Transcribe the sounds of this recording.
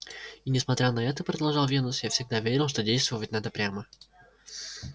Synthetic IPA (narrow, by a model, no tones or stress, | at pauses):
inʲɪsmɐt̪ɾʲanɐɛt̪əpɾəd̪ɐlˠʐɑlˠvʲenʊsjafsʲɪɡ̚d̪avʲeɾʲɪlˠʂt̪odʲejst̪vəvətʲnad̪əpɾʲamə